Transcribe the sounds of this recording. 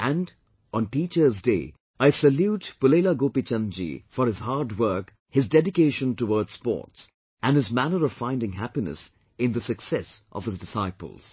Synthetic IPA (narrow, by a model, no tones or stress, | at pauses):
æ̃nd | ɔ̃nʈiːt͡ʃə˞zdḛː | aɪsəljutpʊleːlaɡoːpit͡ʃʌ̃nd͡ʒḭfɔɾɨzhaɾdwɜ˞k | hɨzdɛdɪkeɪʃə̃ntəwɔːdspɔ̰ːɹts | ʔæ̃nhɨzmænəɾɔv̥fãɪ̃ndɪ̃ŋɦæpinə̰s | ɪ̃nðəsɨksɛsʔʌ̰v̥ɨzdɪsaɪpə̰l̩ˠz̥